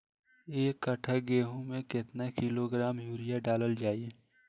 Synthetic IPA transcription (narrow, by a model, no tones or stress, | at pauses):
eːkːəʈʰəɡeːɦõmẽkɪt̪nakiloɡɾaːmjuːɾijaɖaːləld͡ʒaːie